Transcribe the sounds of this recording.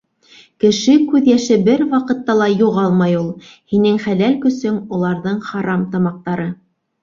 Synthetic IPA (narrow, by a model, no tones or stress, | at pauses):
kɘ̆ʃɘkʉðjæʃɘbɘɾwɑqɤ̆t̪ːɑlˠɑjuʁɑlˠmɑjulˠ | hinɘŋχælælkɵ̆sɵmulˠɑɾðɤɴχɑɾɑmt̪ɑmɑq̚t̪ɑɾɤ